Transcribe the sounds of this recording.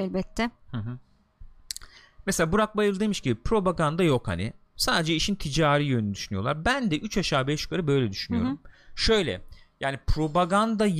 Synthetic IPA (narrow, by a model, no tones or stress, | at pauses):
ɛlʲbɛt̪ʰːɛhɯ̃ɦɯ̃ | mɛselʲaːbuɾak̚bajɯɾlˠɯd̪emiʃcibipɾo̞baɡand̪ajo̞kha̰nɪ̰ | saːd̪e̞d͡ʒɛiʃint̪ʰid͡ʒaːɾiːjønynyd̪yʃynyjo̞lˠaɾbænd̪ɛʔyt͡ʃaʃaːbɛʃu̥kʰaɾɯbø̞jlʲɛd̪yʃynyjo̞ɾumʃø̞jlʲɛ̰jaːnipʰɾo̞baɡand̪a